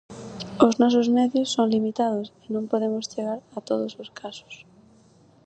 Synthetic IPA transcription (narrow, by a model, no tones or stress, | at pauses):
oznɔs̬ozmeðjosːoŋlimit̪að̞osinõmpoðemost͡ʃeɣaɾat̪oð̞ososkʰaso̥s